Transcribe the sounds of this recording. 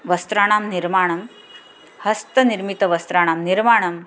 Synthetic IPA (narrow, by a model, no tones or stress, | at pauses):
ʋɐst̪ɾaːɽ̃aːmniɾmaːɳ̃ɐm | hɐst̪ɐniɾmit̪əʋɐst̪ɾaɽ̃amniɾmaɳɐm